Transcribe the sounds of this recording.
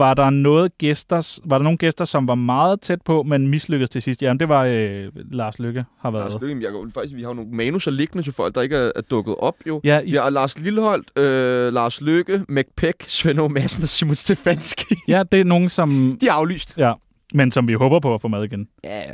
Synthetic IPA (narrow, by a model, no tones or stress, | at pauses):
ʋɑ̈d̥ɑ̈nɔ̽ːð̩ˠɡ̥esd̥ɐsʋɑ̈ɾɑno̝ːn̩ɡ̥esd̥ɐsɒ̽mʋɑ̈mɑ̈ːð̞̩ˠt͡sʰed̥̚pʰɒ̽menmisløɡ̥ð̩ˠt͡sʰe̝sisd̥jæmend̥e̝ʋɑ̈ølɑ̈ːsløɡ̥əhɑ̈ʋæɐøɡ̩jɑefɑ̈ɡ̥isʋihɑ̈jono̝ːmɛːnusɒle̝ɡ̥nət͡sʰefɒ̽l̰ɡ̥d̥ɑ̈e̝ɡ̥əæɐæɐd̥ɔ̽ɡ̥ð̞̩ˠɒ̽b̥jo̝jælɑ̈ːsliləhɒ̽l̰d̥ølɑ̈ːsløɡ̥əmeɡ̥̚pʰeɡ̥sʋenomæsn̩ɒsimonsd̥e̝fænsɡ̥ijæd̥e̝æno̝ːn̩sɒ̽md̥iæɑ̈ʊly̰ːsd̥jæ | mensɒ̽mʋiɦɔːb̥ɐpʰɒ̽æfɔ̰mæð̞ˠiɡ̥enæ